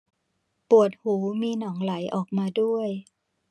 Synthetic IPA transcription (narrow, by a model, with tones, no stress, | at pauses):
pu˨˩ə˩t̪̚huː˩˦miː˧nɔː˩˦ŋla˩˦jʔɔː˨˩k̚maː˧du˥˩əj